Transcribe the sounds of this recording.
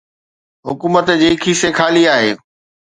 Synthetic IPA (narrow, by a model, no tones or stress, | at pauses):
ɦʊkuːmət̪d͡ʑiːkʰisekʰaːliaːɦḛː